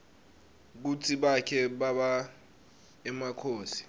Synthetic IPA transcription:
k̬ut͡sʰiɓakʰɛɓaɓa | ɛmakʰoːsi̥

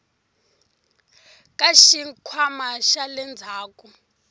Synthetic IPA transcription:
kʼaʃikʰwamaʃalɛnd͡zʱaːkʼu

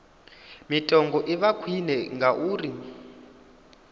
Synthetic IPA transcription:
mitʼɔŋɡɔʔiβakʰwinɛŋɡaʔuːri

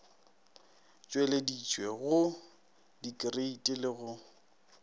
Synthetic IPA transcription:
t͡ʃʼwɛledit͡ʃʼweɣʊ | dikʼɪreitʼɪlɪɣʊ

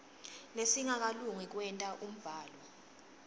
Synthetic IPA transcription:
lesiŋak̬ʼaluŋik̬wɛntʼaʔum̩b̥ʱaːlɔ

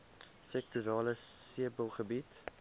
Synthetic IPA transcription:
sɛk̚tuɾɑːləsiəbəlˠχəbit

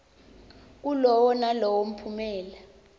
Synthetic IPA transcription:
k̬ulɔwɔnalɔwom̩pʰumɛːla

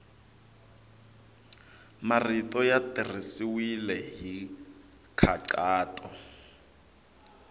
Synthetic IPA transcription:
maritʼɔjatʼir̤isiwilɛɦi | kʰaǀaːtʼɔ

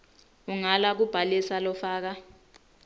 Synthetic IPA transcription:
uŋalak̬ub̥ʱalisalɔfaːk̬a

